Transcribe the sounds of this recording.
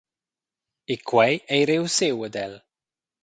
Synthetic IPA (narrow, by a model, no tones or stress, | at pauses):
ikʰwɛjejɾɪwsɪwədɛl